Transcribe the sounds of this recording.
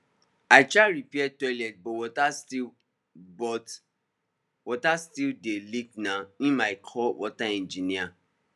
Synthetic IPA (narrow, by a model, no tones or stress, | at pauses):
aɪt͡ʃaɾipiɛtɔɪlɛt̚bɔwɔtasti | bɔt | wɔtastildelik̚nãĩmaɪkʰɔwɔtaɛ̃nd͡ʒinia